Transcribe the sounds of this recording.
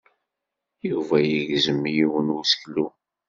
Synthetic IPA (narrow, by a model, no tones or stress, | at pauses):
juvæjiʝzəmːijiwənusə̥klu